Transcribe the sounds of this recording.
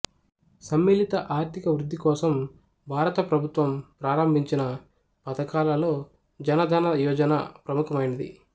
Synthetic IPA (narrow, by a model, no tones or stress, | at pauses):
sɐmːeːlit̪ɐʔaːɾt̪ʰikɐʋɾud̪ːikɔːsɐm | bʱaːɾɐt̪ɐpɾɐbʱut̪ʋɐmpɾaːɾɐmbʱiɲt͡ʃinɐ | pɐd̪ɐkaːlɐlo̞ː | d͡ʒɐnɐd̪ʱɐːnɐjɔːd͡ʒɐnɐ̰pɾɐmukʰɐmɐjnɐd̪ḭ